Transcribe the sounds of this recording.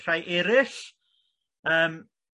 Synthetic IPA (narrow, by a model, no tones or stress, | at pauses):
rajʔɪɾɪɬ | əːm